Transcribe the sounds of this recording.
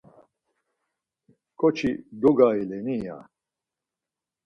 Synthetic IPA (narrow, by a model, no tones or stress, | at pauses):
kʼɔt͡ʃʰid̪uɡailɛnija̰